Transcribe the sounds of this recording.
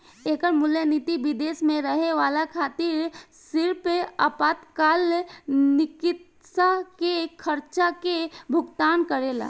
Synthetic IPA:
eːkəɾmʊljəniːt̪iʋɪd̪eːsmẽɾəɦeʋaːlakʰaːt̪iːɾ | sɪɾpeəpaːt̪kaːlnɪkɪt̪ | sakekʰəɾt͡ʃakebʱʊɡt̪aːnkəɾeːla̰ː

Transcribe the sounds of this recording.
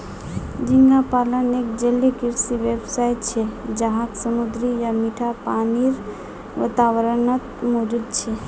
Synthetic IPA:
d͡ʒiŋɡapalənek̚d͡ʒəlːekiɾsiʋebsajt̪t͡ʃʰed͡ʒaɦãksəmud̪ɾijamiʈʰapaniɾ | ʋə̰t̪aʋəɾənət̪mod͡ʒud̪̚t͡ʃʰe

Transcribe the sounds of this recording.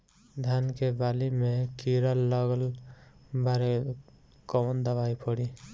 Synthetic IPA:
d̪ʱankebalimekiɾəlːəɡəl | baɾe | kɔnd̪əbajpʰɔɽi

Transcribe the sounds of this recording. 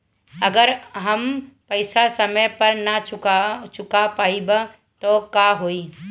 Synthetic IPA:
ɐɡəɾɦɐmpəɪsasɐməjpɐɾnɐt͡ʃʊkat͡ʃʊkapaːibə | t̪okaɦoːi

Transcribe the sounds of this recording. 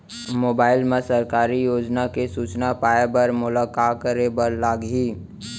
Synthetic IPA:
moːbaːɪlmẽsɐɾkaːɾijoːd͡ʒnakesuːt͡ʃnapaːebɐɾmʊlaːkaːt̚kəɾebəɾlaːɡɦiː

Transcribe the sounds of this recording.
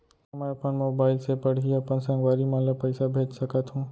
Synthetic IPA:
ɐmãəpənmoːbaːɪlsepəɽ̤iɐpənsãːŋɡʋaːɾimãːləpəɪsabʱeːd͡ʒsəkət̪ɦũː

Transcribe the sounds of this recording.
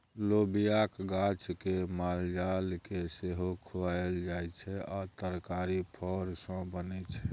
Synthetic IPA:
lobijakɡat͡ʃkemald͡ʒalkeseɦokʰoaeld͡ʒajt͡ʃʰɛat̪əɾkaɾipʰɔɾsə̃bənɛt͡ʃʰɛ

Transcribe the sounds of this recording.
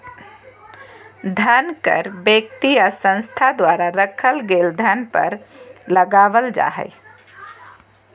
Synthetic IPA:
d̪ʱənkə̰ɾbek̚t̪ijasə̃ñst̪ʰad̪waːɾaɾəkʰəlɡeːld̪ʱənpə̰ɾləɡaːʋəld͡ʒa̰ːɦɛ̰ɪ

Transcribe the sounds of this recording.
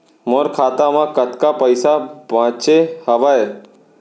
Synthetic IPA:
moːɾkʰaːt̪amãkət̪kapəɪsabãːt͡ʃehəʋae

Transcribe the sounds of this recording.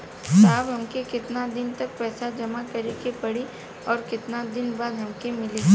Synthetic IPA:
saːbɦɐmkekɪt̪nad̪ɪnt̪ɐk̚pɛːsad͡ʒɐmakɐɾekepɐɽi | ɔːɾkɪt̪nad̪ɪnbaːd̪ɦɐmkemɪli

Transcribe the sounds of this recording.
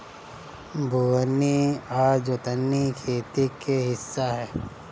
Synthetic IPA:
bʱuənːiaːd͡ʒot̪ənːikʰeːt̪ikeɦɪsːaɦɛː

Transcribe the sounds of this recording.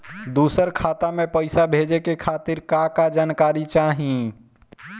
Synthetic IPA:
d̪usəɾkʰat̪amepəɪsabʱed͡ʒekekʰat̪iɾkakad͡ʒankaɾit͡ʃaɦĩ

